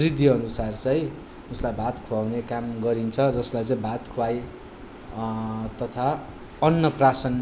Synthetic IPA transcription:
rid̪ʱːjiʌnusart͡sʌĩ | uslajbʱat̪kʰuwawnekamɡʌɾint͡sʰʌd͡zʌslajt͡sʌĩbʱat̪kʰuaj | t̪ʌt̪ʰa | ʌnːʌprasʌn

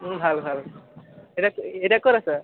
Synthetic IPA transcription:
bʱalbʱal | ɛakeɾakɔɾasa

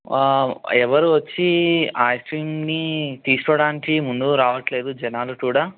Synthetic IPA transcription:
ɛʋɐɾuʋɐt͡ʃːiaːjsʈɾiːmnit̪iːsu̥kɐɽaːnikimund̪uɾaːʋɐʈle̞ːd̪ud͡ʒɛnaːlɐkuːɽaː

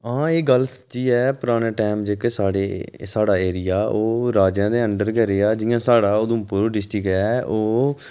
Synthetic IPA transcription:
ãːeːɡəlsət͡ʃiːɛːpʊɾaːneːʈɛːmd͡ʒeːkeːsaːɽeːsaːɽaːeːɾɪjaːoːɾaːd͡ʒãːd̪eːəɳɖəɾkɛɾeaːd͡ʒɪjãːsaːɽaːod̪ũːpʊɾɖɪsʈikɛːʔoː

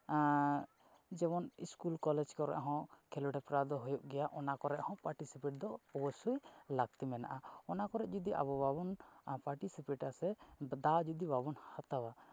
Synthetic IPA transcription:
d͡ʒɛmɔniskulkɔlɛd͡ʒkɔɾɛ̰ʔɦɔ̃kʰɛluɖɛpɾad̪ɔɦujuʔɡɛjaʔɔnakɔɾɛʔhɔ̃paɾʈisipɛʈ̚d̪ɔːbɔsujlaɡ̚t̪imɛna̰ʔaɔnakɔɾɛʔ̚d͡ʒud̪iʔa̰bɔbabɔnpaɾʈisipɛʈasɛd̪ad͡ʒud̪ibabɔnhat̪awa

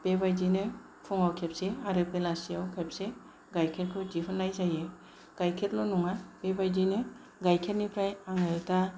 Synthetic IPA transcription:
pebajdinɯ | pʰuŋawkʰep̚seaɾɯpelasiawkʰep̚se | ɡajkʰet̚kʰɯd͡ʒipʰɯnːajzaje | ɡ̥ajkʰet̚lɔnuŋapebajdinɯ | ɡajkʰet̚nipʰɾajaŋajta

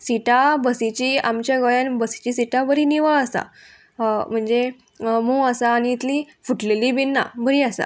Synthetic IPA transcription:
siʈabəsit͡ɕiːamt͡ɕjaɡəjãnbəsi̥t͡ɕisiʈabəɾiniʋəɭəsa̰ | m̤əɳd͡ze | muəsaːñiːt̪li | fuʈleliːbinːa̰bəɾiasa̰

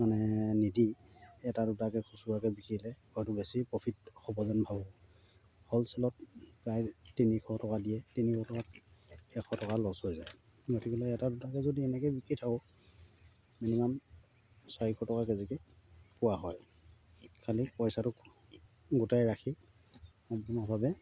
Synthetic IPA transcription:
manɛnidiɛtadutakɛkʰusuakɛbikilɛkɔjtubesipɹɔpʰitxɔbɔzanbʱabɔ | hɔlsɛlɔtpɹajtinikʰɔtɔkadijɛtinikʰɔtɔkatɛkʰɔtɔkalɔshojza̰j | ɡotʰikilɔɛtadutakɛzodiɛnɛkɛbikɹitʰakɔ | minimam | saɹikʰɔtɔkakɛzɛkɛ | pʊwaɦɔj | kʰalipɔjsatʊk | ɡutajɹakʰi | ɔmpɔnabʱabɛ

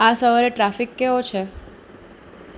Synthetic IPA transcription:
asəʋəɾeʈɾafikːeʋot͡ʃʰe

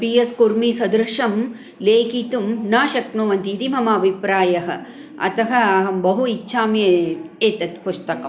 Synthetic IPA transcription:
pijɐskuɾmiːsɐd̪ɾɐʂɐm | leːkit̪umnaːʃɐknoːʋɐnt̪iːt̪imɐmaːbʱipɾaːjɐɦɐ̰̆ | ɐ̰t̪ɐɦɐaɦɐmbɐɦuitːʃʰaːmjɐeːt̪ɐt̪pust̪ɐkɐm

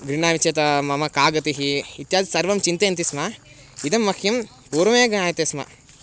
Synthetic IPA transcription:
ɡɾiɳaːʋit͡ʃɐt̪ɐmɐmɐkaːɡɐt̪iɦiːt̪jaːd̪isɐɾʋɐmt͡ʃint̪eːɐnt̪isma | id̪ɐmːɐkʰjɐm | puːɾɐmeːɡɐɳaːjɐt̪eːsmɐ̰

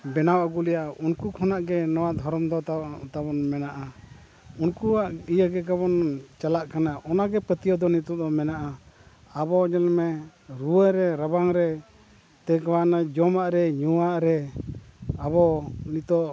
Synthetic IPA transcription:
bɛnawʔaɡulɛjaʔunkukʰɔnaʔɡɛnɔwad̪ʱɔɾɔmd̪ɔt̪abɔnmɛnaʔa | unkuaʔijaɡɛkaβɔnt͡ʃalaʔkanaʔɔnaɡɛpət̪ijɔd̪ɔnit̪ɔd̪ɔmɛnaʔa | abɔd͡ʒalmɛ | ɾuwəɾɛɾabaŋɾɛ | t̪ɛkwanad͡ʒɔmaʔɾɛɲuwaʔɾɛ | abɔnit̪ɔʔ

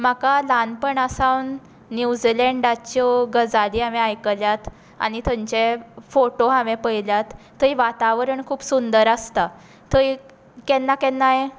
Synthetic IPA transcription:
m̤akalanpəɳasawnː | jud͡zilɛ̃ɳɖat͡ɕɔɡəd͡zaliːɦamɛajkəljat̪ | a̰nit̪ʰəɲt͡ɕefoʈoɦaʋɛpəjljat̪ːəiʋat̪aʋɾəɳkʰuːpsund̪əɾəst̪a | t̪əi | kɛnːakɛnːaɦe

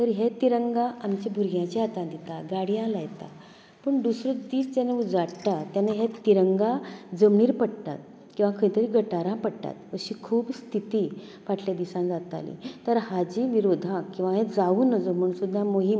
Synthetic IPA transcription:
t̪əɾɦet̪iɾəŋɡaamt͡ɕibʱuɾɡjãt͡ɕiat̪ãd̪it̪aɡaɽjãlajt̪a̰ | pəɳd̪usɾət͡sd̪iːst̪aneud͡zaɽt̪at̪janeɦet̪iɾəŋɡad͡zəmɳiːɾpəɽt̪a̰t̪̚ | kĩw̃ʋakʰəĩt̪əɾiɡʱəʈaɾãpəɽt̪a̰t̪̚əɕikʰuːbst̪ʰit̪i | ʋaʈʰljad̪isãd͡zat̪a̰lḭ̃t̪əɾɦad͡ʑiːʋiɾod̪ʱãkĩw̃ʋãɦẽd͡zaʋuːnəd͡zom̤əɳ̃sud̪ʱːamoɦim

